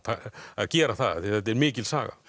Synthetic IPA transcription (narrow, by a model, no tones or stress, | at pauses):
aaðcɛːɾaθaðθθɛt̪ːɛɾmɪːcɪlsa̰ːɣa̰